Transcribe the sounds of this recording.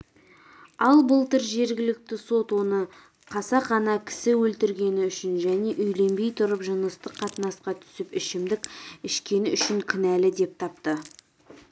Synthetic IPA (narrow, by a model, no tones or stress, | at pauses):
ɑlˠbʊlˠt̪əɾʒe̞ɾɡʲɪlɪk̚t̪ɪso̞t̪wo̞nə | qʰɑsɑqɑnɑkʲʰɪ̥sɪwɵlt̪ɪɾɡʲe̞nɪʏʃɪnʒæne̞ʔʏjle̞mbe̞jt̪ʰʊɾəpʒənəst̪əqʰːɑt̪ənɑsqɑt̪ʰʏ̥sɪpɪʃɪmd̪ɪkʲɪʃkʲe̞nɪʏʃɪŋkʲʰɪnælɪd̪e̞p̚t̪ʰɑp̚t̪ə